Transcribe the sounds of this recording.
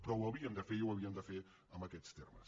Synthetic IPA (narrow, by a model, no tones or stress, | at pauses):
pɾɔwəβiəmd̪əfeiwəβ̞iəmd̪əfe | əmbəkɛt͡st̪ermə̰s